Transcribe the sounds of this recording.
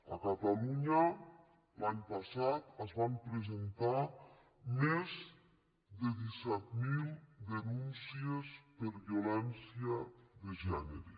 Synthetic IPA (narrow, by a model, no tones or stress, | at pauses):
a̰kat̪aluɲa | laɲpasat̪azβampɾezent̪a | mez | d̪eðisɛt̪̚milˠd̪enunsiespeɾβiolɛnsiaðeʒɛneɾe